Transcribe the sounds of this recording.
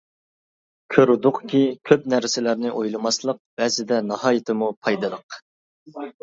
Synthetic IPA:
kʲʰøɾɪd̪ʊqkʲikʲʰøp̚næɾsɪlæɾnɪʔojlˠɨmɑslˠəq̚b̥ɛzɪd̪ɛnɑhɑːjɪt̪ʰɪmupʰɑjd̪ɨd̪əq

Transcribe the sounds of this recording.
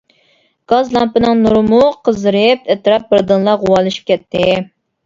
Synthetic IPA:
ɡ̥ɑzlˠɑmpɨnɨŋnuɾmuqʰəzɨɾɨpɛt̪ɾɑp̚bɪɾd̪ɨnlˠɑʁʊwɑlˠɨʃi̥p̚kʲʰɛt̪ʰːɪ

